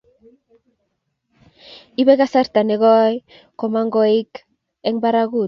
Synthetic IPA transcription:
iβeɣasaɾt̪aneɣoaj | komaŋɡoek | eŋbaɾaɣu

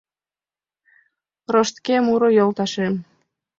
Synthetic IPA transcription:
roʃt̪kemuɾojolt̪ɑʃem

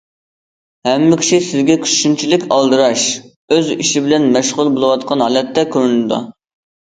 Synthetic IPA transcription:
hɛmːɪkʲʰi̥ʃisɪzɡʲɛkʲʰy̥ʃynt͡ʃʰilɪkʲʰɑlˠd̪ɨɾɑʃ | øziʃibɪlɛnmɛʃʁʊlˠbolˠɨwɑt̪qʰɑnɦɑlɛt̪ʰːɛkʲʰøɾynɨd̪ɑ̰

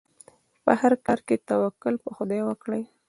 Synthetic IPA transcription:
pə̰haɾkɑɾket̪awakʊlpəxʊd̪ajwəkɽəj

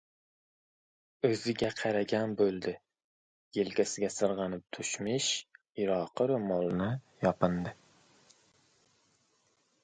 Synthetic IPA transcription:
ɵzɪɡʲɛqʰɑɾaɡʲanbɵlˠd̪ɪ | jelkʲæsɪɡʲɛsɨɾʁɑnɪp̚t̪ʰʊʃmɪʃ | iɾɑːqɨɾmɑlˠnɪjɑpɨnd̪ɪ

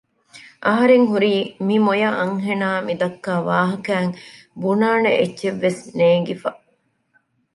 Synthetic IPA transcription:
ʔɐɦɐɾeŋɦuɾiːmimojɐʔɐŋɦenaːmid̪ɐkːaːʋaːɦɐkæːŋ | bunaːneʔetːʃeʋːesneːŋ̆ɡifɐ

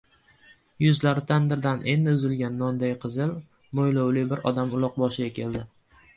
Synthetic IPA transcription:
jʊzlaɾɪt̪ʰand̪ɪɾd̪anʔe̞nd̪ɪʊzɪlɡʲanːɒnd̪ajqʰɨzɪl | mojlowlɪbɪɾɒd̪amʊlˠɒq̚bɒʃɪɡʲakʲʰe̞ld̪ɪ

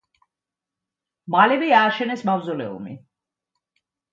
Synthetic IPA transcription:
malɛbiaːʃɛnɛsmavzɔlɛ̰ṵmḭ

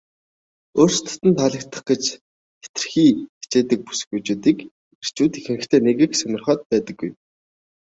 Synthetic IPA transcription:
oːrst̪ʰʊ̥t̪ɘ̆nt̪ʰaɮə̆kt̪ʰə̥̆χɡ̥et͡ɕ | pe̥t̪̆rxiːxi̥t͡ɕeːt̪ə̆k̚pu̥sɘ̆xujt͡ɕuːt̪iːk | ir̥t͡ɕuːt̪ixɘ̆nɘ̆kt̪ʰeːneɣɘ̆ksœnʲɞ̆rχɔːt̪̚pæːt̪ə̆ɡːuj

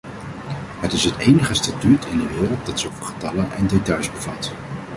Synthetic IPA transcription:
ɦətɪsɦətejnəχəstatytʰɪndəʋɪːrəlˠt̚dɑtsəovəχə̥tɑlənʔɛndetɑjzbəv̥ɑt

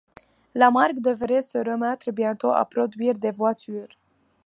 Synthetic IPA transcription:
lamarɡd̪əvɾesəɾəmat̪ɾəbjant̪oʔa̰pɾod̪uird̪evwat͡ʃyrʲ

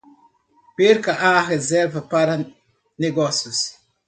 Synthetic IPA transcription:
peɾkaʔarezɛɾvapaɾa | neɡɔsjus

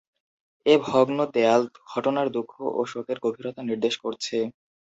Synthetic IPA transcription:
ebʱɔɡnot̪ɛalɡʱɔʈonaɾd̪ukʰːoʔoʃokeɾɡobʱiɾot̪aniɾd̪eʃkoɾt͡ɕʰe

